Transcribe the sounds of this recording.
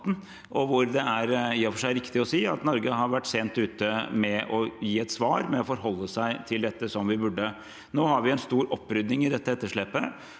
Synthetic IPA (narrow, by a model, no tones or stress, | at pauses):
t̪n | ʔɔʋʊɾd̪ɛæɾɪjːəfɔʂæɪæɾɪkt̪ɪɔsiːɑ̰t̪nɔɾɡəɦɑɾʋæʈːseːnt̪ʉːt̪əmɛʔɔjiːɛt̪sʋɑːɾmɛɔfɔɾɦɔlːəsæɪt̪ʰɪld̪ɛt̪ːəsɔmʋɪbʉɖːə | noːhɑɾʋɪɛnst̪uːɾɔpːɾʏd̪nɪŋɪd̪ɛt̪ːəɛt̪ːəʂɭɛːpːə